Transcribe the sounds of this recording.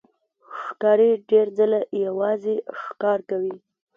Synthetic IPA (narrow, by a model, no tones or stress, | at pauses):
ʃkɑɾeɖeɾzəlajawɑzeʃkɑɾkawi